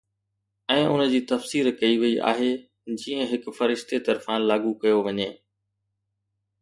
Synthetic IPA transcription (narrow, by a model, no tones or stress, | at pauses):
ɛ̃ːʔʊnə̆d͡ʑiːt̪ɐfsiːɾkɐiʋɐiʔa̰ːɦe | d͡ʑĩːə̃ɦɪkfɐɾɪʃt̪et̪ɐɾfãlaːɡukɐjoʋɐɲeː